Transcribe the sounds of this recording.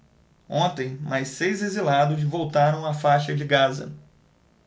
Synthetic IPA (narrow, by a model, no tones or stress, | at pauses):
õnt̪ẽj̃majsejzezilad̪ʊzvowt̪aɾɐ̃w̃afajʃɐd͡ʒɪɡazɐ̰